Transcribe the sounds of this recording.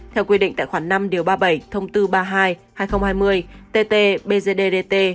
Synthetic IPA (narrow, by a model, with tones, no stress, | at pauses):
t̪ʰɛ˧wkwi˧ɗḭ˧˨ŋ̟t̪a̰ː˧˨jxwaː˧˩˦na˧mɗi˨˩˦əwɓaː˧ɓə˧˩jt̪ʰə˧wŋ͡mt̪ɨ˧ɓaː˧ɦaː˧jhaː˧jxə˧wŋ͡mhaː˧jmɨ˧əjt̪e˧t̪e˧ɓe˧ze˧ɗe˧ɗe˧t̪e˧